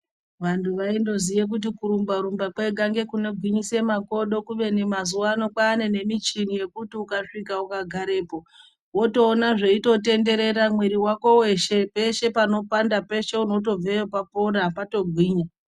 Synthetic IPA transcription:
ʋantʰuʋaindo̞zijek̬ut̬ikuɾumbaɾumbakwe̞ɡʱaŋɡe̞kune̞ɡʱwiɲise̞mako̞ɗo̞kuʋe̞nemazuwano̞kwaːne̞ne̞mit͡ʃinije̞kutiukaʂikaukaɡʱaɾe̞ːpo̞ | wo̞to̞ːnaʐe̞ito̞te̞nde̞ɾe̞ɾamweɾiwako̞we̞ʃepe̞ʃe̞pano̞pandape̞ʃe̞uno̞t̬o̞b͡vejopapoɾapato̞ɡʱwiːɲa

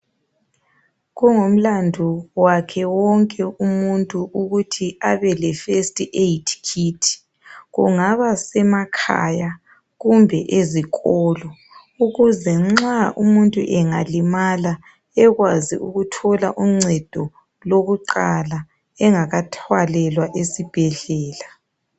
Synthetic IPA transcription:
ɣɔŋom̩landʱuwakʰɛwɔŋkʼɛumuntʼuʔuɣutʰiaβɛlɛfestʼiʔetʰkʰitʰi̥ | ɣuŋaβasɛmakʰa̰ja | ɣumbʱɛʔeziɣɔːlɔ | uɣuzɛŋ͡ǁaʔumuntʼṵʔɛŋalimala | ɛɣwazḭʔuɣutʰɔla̰ʔuŋ͡ǀɛd̥ʱɔ | loɣuǃala | ɛŋaɣatʰwalɛlwaʔesib̥ʱɛɮɛːla

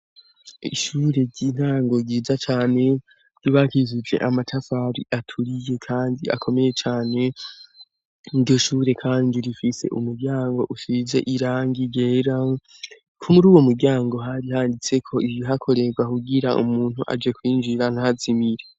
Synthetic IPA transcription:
ḭʃuːɾe̞ɟin̥haːŋɡo̞ɡiːzat͡ʃaːne̞ | ɟ̥iβakizud͡ʒe̞̰ʔamatʰafaɾḭʔatʰuɾije̞kʰaːndia̰kʰo̞me̞je̞t͡ʃaːne̞ | iɾɟo̞ʃuːɾe̞kʰaːndiɾifise̞̰ʔumuɾɟaːŋɡo̞̰ʔuʃize̞̰ʔiɾaːŋɡiɟeːɾa | kʰumuɾuːwo̞muɾɟaːŋɡo̞ɦaɾihaːndit͡se̞kʰo̞ijiɦakʰo̞ɾe̞ɡwakuɡiɾaʔṵmuːn̥huʔa̰d͡ʒe̞kwiːnd͡ʒiɾan̥ahazimiɾe

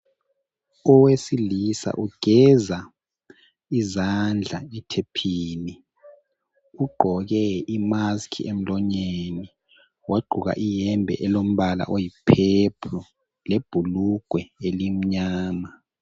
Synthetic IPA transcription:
ɔwesilisa̰ʔuɡ̥ʱɛza | izand͡ɮʱaɛtʰepʰiːni | uɡ͡ǃʱɔɣɛimaskʰḭem̩lɔɲeni | wʔaɡ͡ǃʱuɣa̰ʔijɛmbʱɛ̰ʔɛlom̩βala̰ʔojipʰepʰɔ | leb̥ʱuluɡ̥ʱwɛelim̩ɲaːma

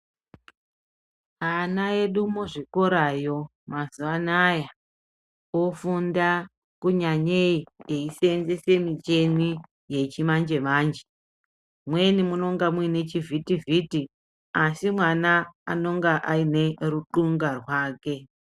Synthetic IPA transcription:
anae̞ɗumoʐiko̞ɾajo̞ | mazuʋanaja | ofunda | kuɲaɲeieise̞nze̞se̞mit͡ʃe̞ni | je̞t͡ʃimand͡ʒe̞maːnd͡ʒe̥ | mwe̞nimuno̞ŋɡamuine̞t͡ʃivʱitiviti | asimwana̰ːno̞ŋɡaʔaine̞ruǃuŋɡarwaːke̞

